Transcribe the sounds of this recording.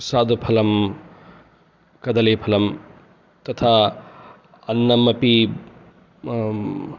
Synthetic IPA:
saːd̪upʰɐlɐm | kɐd̪ɐlepʰɐlɐm | t̪ɐt̪ʰa | ɐnːɐmːɐpi

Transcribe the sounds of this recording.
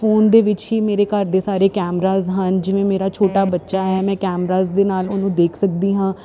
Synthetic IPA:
foːnd̪eːʋɪt͡ʃɦiːmeːɾeːkəɾd̪eːsaːɾeːkɛːmɾaːzɦənd͡ʒɪʋẽːmeːɾaːt͡ʃʰoːʈaːbətːʃaːɦɛːmɛ̃ːkɛːmɾaːzd̪eːnaːlʊnũːd̪eːkʰsək̚d̪iːɦãː

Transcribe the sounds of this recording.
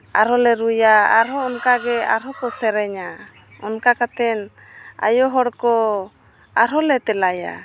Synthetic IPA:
aɾɔlɛɾujaa̰ɾɔːnkaɡɛa̰ɾɦɔkɔsɛɾɛɲa | ɔnkakat̪ɛn | a̰jɔɦɔɽkɔ | aɾɔlɛt̪ɛlaja̰

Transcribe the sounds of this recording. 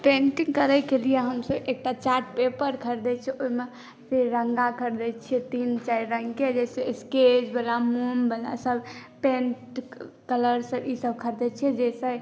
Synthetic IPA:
pẽnʈiŋɡkəɾəkelijeɦəmsəbek̚ʈat͡ʃaʈpepəɾkʰəɾd̪ɛt͡ʃʰɛʔoime | pʰeɾɾəŋɡakʰəɾd̪ɛt͡ʃʰiɛt̪int͡ʃaiɾəŋɡked͡ʒɛseesked͡ʒbəlamumbəla̰səbpẽnʈkələɾsəbisəb̚kʰəɾd̪ɛt͡ʃʰiɛd͡ʒɛsɛ

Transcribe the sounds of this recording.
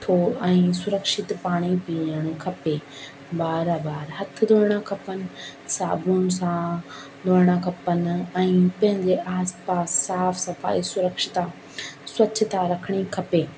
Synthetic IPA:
t̪ʰoɛ̃ːsʊɾəkʃɪt̪paːɽ̃ipiəɽ̃kʰɐpeː | baːɾabaːɾɦɐt̪ʰɪd̪oːɾɽ̃akʰɐpənɪ̆sa̰ːbunɪ̆sã | d̪oːɾɪɽ̃akʰɐpənɛ̃ːpɐ̃ɦɪ̃ɲd͡ʑeʔaːspaːsːaːfsɐfa̰ːisʊɾəkʃɪt̪a | swɐt͡ɕɪt̪aɾɐkʰəɽ̃ikʰɐpeː

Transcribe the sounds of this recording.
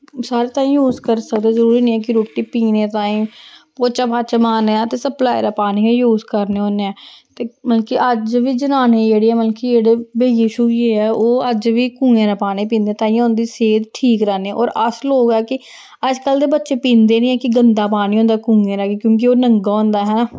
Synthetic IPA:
saːɾeːt̪aːĩːjuːzkəɾsəkd̪eːzəɾuːɾiːnĩːɛːkɪɾoːʈiːpiːnẽːt̪aːĩːpoːt͡ʃaːpaːt͡ʃamaːneaːt̪eːsəplaːjɾaːpaːniːejuːzkəɾneːõːneɛːt̪eːməlkiːʔəd͡ʒʋiːd͡ʒənaːneːd͡ʒeːɽeːɛːməlkiːd͡ʒeːɽeːbeːjiːʃuːjeːɛːoːəd͡ʒʋiːkũːŋẽːɾaːpaːnẽːpĩːnd̪ẽːt̪ãːĩːõːnd̪iːseːd̪ʈʰiːkɾɛːneɛ̃ːʔɔːɾəsloːɡɛːkɪ | əd͡ʒkəld̪eːbətːʃeːpĩːnd̪eːnĩːɛːkɪɡənd̪aːpaːnĩːɦõːnd̪akũːŋɡẽːɾaːɡeːkjõːk̬ioːnəŋɡaːɦõːnd̪aːɦɛːnaː

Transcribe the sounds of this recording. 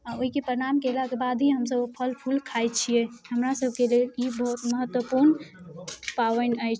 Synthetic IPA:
aoɦikepɾəɾamkelakebad̪ʱɦiɦəmsəbopʰəlpʰulkʰajt͡ʃʰijeɦəmɾasəb̚ʱkelelibəɦut̪məɦət̪wəpuɾn | paʋənəjt͡ʃʰ

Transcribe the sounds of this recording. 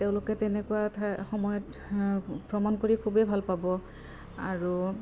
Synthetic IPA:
teʊ̃lʊkɛtɛnɛkuwatʰaxɔmɔjɔt | pɹɔmankoɹikʰubebʱalpabɔ | aɹu

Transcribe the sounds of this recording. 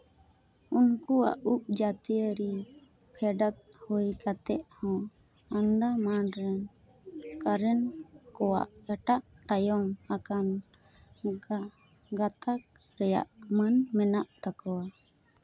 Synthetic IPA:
unkua̰ʔuʔ̚d͡ʒat̪ijəɾi | pʰɛɖat̪̚hojkat̪ɛʔhɔ̃ | and̪amanɾɛn | kaɾɛnkɔwa̰ʔaʈaʔt̪ajɔmakan | ɡat̪ak̚ | ɾɛja̰ʔmanmɛnaʔt̪akɔwa

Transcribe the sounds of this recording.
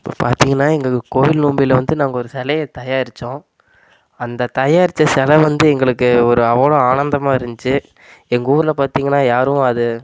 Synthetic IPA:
ɪpːo̰ːpa̰ːɾt̪iːŋɡɐnːaːɛŋɡɐkoːjɪlnuːmbilɐʋɐnd̪ɯnaːŋɡɐɔɾɯsɛlɐjɐt̪ɐjaːɪɾɪt͡ʃːõː | ɐnd̪ɐt̪ɐjaːɪɾɪt͡ʃːɐsɛlɐʋɐnd̪ɯɛŋɡɐɭɯkːɯɔɾɯɐʋːɐɭoaːɳɐnd̪ɐmaːɪɾɯnd͡ʒ̪ɯt͡ʃːɯ | ɛŋɡɐuːɾɪlɐpaːɾt̪iːŋɡɐnːaːjaːɾɯ̃ɐðɯ

